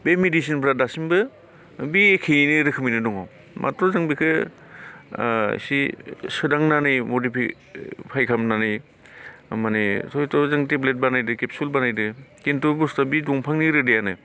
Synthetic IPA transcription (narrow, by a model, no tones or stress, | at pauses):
bemedisinpʰɾadasimbɯ | biekʰenɯɾɯkʰɯminɯdɔŋaw | mʔa̰tɾɔzaŋbikʰɯ | ḭsisɯdaŋnanɯjmodipʰi | pʰajkʰamnanɯj | manetʰɔjtɔzaŋteblet̚banajdɯkepsulbanajdɯkentubustabidɔŋpʰaŋniɾɯdejanɯ